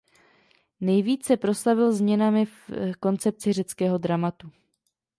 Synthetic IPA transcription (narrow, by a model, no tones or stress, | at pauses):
nɛjviːt͡ssɛpɾo̞slavɪlzmɲɛnamɪfko̞nt͡sɛp̚t͡sɪr̝ɛt͡skɛːɦo̞dɾamat̪u